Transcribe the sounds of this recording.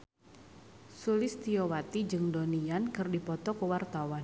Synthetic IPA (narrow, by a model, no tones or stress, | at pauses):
sulɪst̪iɔwat̪id͡ʒɨŋdɔniankɨrdipɔt̪ɔkəwart̪awan